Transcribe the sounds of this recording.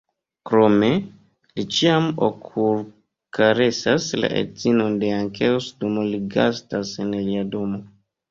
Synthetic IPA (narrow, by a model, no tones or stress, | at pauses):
kɾo̞me̞ | lit͡ʃiamo̰kʰuɾ | kʰaɾe̞sasla̰ʔḛdz̥ino̞nde̞aŋkʰelsdumoliɡa̰stasenliado̞mo̞